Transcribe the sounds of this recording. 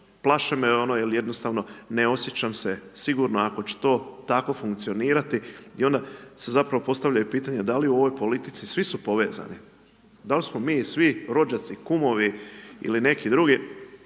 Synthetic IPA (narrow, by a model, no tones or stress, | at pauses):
plˠaʃemeonojelje̞d̪no̞st̪aːʋno̞neo̞sje̞t͡ɕamsesiɡuɾno̞ako̞t͡ɕe̥t̪o̞ːt̪ako̞fuŋkt̪sio̞niːɾat̪iio̞nd̪ase̞zapɾaʋo̞po̞st̪aʋʎajupiːt̪aɲe̞d̪aliuo̞ʋo̞jpo̞lit̪it̪sisʋisupo̞ʋe̞ːza̰ni | d̪alismo̞miːsʋiɾo̞d͡ʒat̪sikumo̞ʋiḭline̞kid̪ɾuɡi